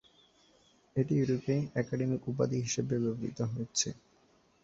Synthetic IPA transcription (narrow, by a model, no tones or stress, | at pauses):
eʈijuɾopeɛkaɖemikup̬a̰d̪iɦiʃebebeboɾḭt̪oɦojet͡ɕʰḛ